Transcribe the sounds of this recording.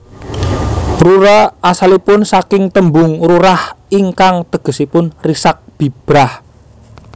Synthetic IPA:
ruɾəasalipʊnsakɪŋt̪əmbʊŋruɾahiŋkaŋt̪əɡ̥ə̤sipʊnrisak̚b̥i̤b̥ɾah

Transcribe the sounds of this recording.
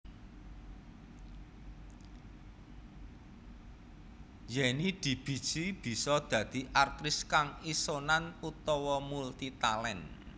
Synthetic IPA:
jɛnid̪̥i̤b̥i̤̥t͡ʃib̥i̤sɔd̪̥ä̤d̪̥i̤ʔart̪ɾɪskaŋisonanut̪ɔwɔmult̪it̪alɛn

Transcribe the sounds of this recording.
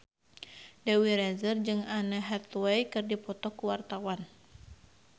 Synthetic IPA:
dɛwiɾɛzərd͡ʒɨŋanaɦɛt̪wɛjkɨrdipɔt̪ɔkuwart̪awan

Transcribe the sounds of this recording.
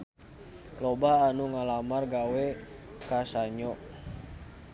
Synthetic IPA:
lobaːnuŋalamarɡawɛ | kasaɲɔʔ

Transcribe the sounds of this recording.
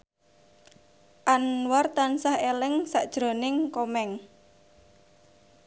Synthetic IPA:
ʔanwart̪ansahelɪŋsaʔd̥ʒ̥ɾo̤nɪŋkomɛŋ

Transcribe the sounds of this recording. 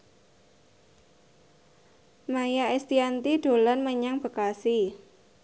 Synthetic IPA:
majaest̪iant̪iɖ̥o̤lanməɲaŋb̥ə̤kasi

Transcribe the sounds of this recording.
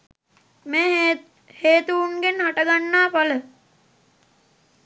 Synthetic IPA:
meː | heːt̪uunɡenhaʈəɡanːaːpalə

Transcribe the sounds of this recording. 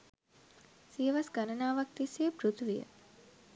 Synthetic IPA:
sijʋɐsɡɐnɐnaːʋɐk̚t̪iseːpɾut̪ʰʋijə̰

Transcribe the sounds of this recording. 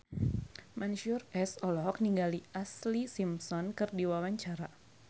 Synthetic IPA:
manʃʊrɛsɔlɔɦɔk̚niŋɡaliʔaslisimsɔnkɨrdiwawaɲt͡ʃaɾa

